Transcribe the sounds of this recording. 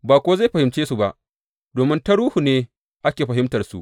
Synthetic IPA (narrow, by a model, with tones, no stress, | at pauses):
baː˨kʷoː˦za˦˨ɸɐ˨hɪ˨mt͡ʃeː˦su˨ba˨ʔ | doː˨mɪ˦nta˦ɽuː˦hu˨neː˦ | ʔa˦kʲeː˨ɸɐ˨ɦɪ˦mtɐ˨rsṵ˨ʔ